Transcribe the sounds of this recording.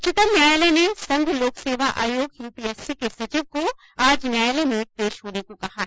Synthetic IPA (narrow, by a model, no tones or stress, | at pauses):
t͡ʃɪt̪əmnjaːjələnesɐ̃ŋɡʱloːkseːʋaʔa̰ːjoːɡjuːpiɛːsikesɐt͡ʃɪʋko | aːd͡ʒnjaːjəlenepeːʃɦoːnekokɐhaɦ